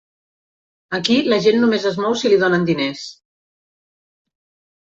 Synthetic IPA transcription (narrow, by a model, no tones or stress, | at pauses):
əkiləʒenːumezəzmɔwsiliðonənd̪ines